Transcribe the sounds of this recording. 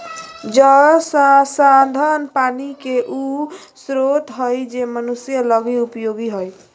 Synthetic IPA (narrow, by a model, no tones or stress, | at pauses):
d͡ʒəssad̪ʱənpanikeʔu | sɾot̪ɦəjd͡ʒemənusjələɡiupjoɡiɦoj